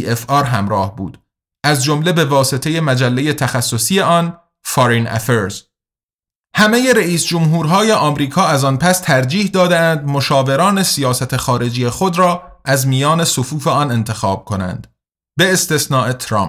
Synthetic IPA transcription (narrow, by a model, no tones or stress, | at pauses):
efɒːɾɦæmɾɒːhbṵːd̪̥ | ʔæzd͡ʒomle̞be̞vɒːse̞t̪ʰe̞je̞mæd͡ʒælːe̞je̞t̪ʰæxæsːo̞sije̞ʔɒn | fɒɾinæ̰feɾz̥ | hæme̞je̞ɾeiːsd͡ʒomɦuːɾɦɒːje̞ʔɒːmɾiːkʰɒːæzɒnpʰæst̪ʰæɾd͡ʒiːhd̪ɒːd̪eænd̪mo̞ʃɒːve̞ɾɒːne̞sijɒːsæt̪ʰe̞xɒːɾe̞d͡ʒiːjexo̞d̪ɾɒːʔæzmijɒːne̞sofuːfe̞ɒːne̞nt̪ʰe̞xɒːb̥̚kʰo̞næ̰nd̪̥ | be̞ːst̪e̞snɒːʔe̞t̪ʰɾɒ̰m